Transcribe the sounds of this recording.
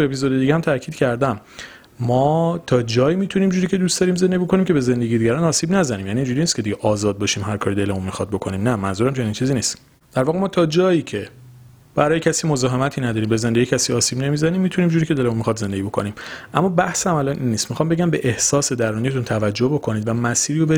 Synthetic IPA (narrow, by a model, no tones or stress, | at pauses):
uepʰizod̪e̞d̪iːɡehæmt̪ʰæɾcʰiːd̪̥cʰæɾd̪æmː | ɒːt̪ʰɒːd͡ʒɒːjiːmiːt̪ʰuniːmd͡ʒuɾiːcʰe̞d̪uːstd̪ɒːɾiːmzed̪eɟibiokʰo̞nimcʰebe̞ze̞nd̪eɡiːd̪iɡæɾɒːnɒːsiːbnæzæniːmjæniːnd͡ʒuɾiːnist̪kce̞d̪iɟeʔɒːzɒːd̪̚bɒːʃiːmɦæɾkʰɒːɾid̪e̞lemunmixɒd̪̚bo̞kʰo̞niːmnæmænzuːɾæmt͡ʃʰe̞nint͡ʃʰiːziːniːst̪ | d̪̥æɾvɒːɣemɒːt̪ʰɒːd͡ʒɒːjiːcʰe̞ | b̥æɾɒːjecʰæsiːmo̞zɒːɦe̞mæt̪ʰiːnæd̪ɒːɾiːmbe̞zend̪e̞ɟiːcʰæsiːɒːsiːbne̞mizæniːmːiːt̪ʰuniːmd͡ʒuːɾiːcʰe̞d̪e̞lemunmixɒd̪ze̞nd̪eɟibo̞kʰo̞̰niːmʔæmːɒːbæhshæmælɒːnʔinːiːst̪mixɒːmbe̞ɟæmbe̞ʔehsɒːse̞d̪æɾunijet̪ʰunt̪ʰævæd͡ʒːohbo̞kʰo̞niːd̪væmæsiːɾijobe